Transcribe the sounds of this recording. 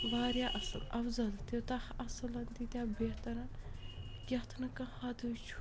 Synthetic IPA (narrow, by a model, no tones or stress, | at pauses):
ʋaːɾjaːʔɐsɨ̰lɐfzɐlt̪et̪ɐhɐsɨlɐnt̪it̪ʲaːbeht̪ɐɾa | ɡʲɐt̪ʰnɐkɐ̃had̪ut͡ʃʰ